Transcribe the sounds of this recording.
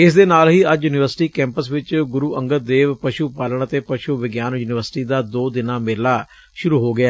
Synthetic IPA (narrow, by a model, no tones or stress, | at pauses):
ɪsd̪eːnaːlɦiːəd͡ʒjuːnɪʋəɾsɪʈiːkɛ̃ːmpəsʋɪt͡ʃɡʊɾuːʔəŋɡəd̪eːʋpəʃuːpaːləɳət̪eːpəʃuːʋɪɡjaːnjuːnɪʋəɾsɪ̥ʈiːd̪aːd̪oːd̪ɪnãːmeːlaː | ʃʊɾuːɦoːɡɪaː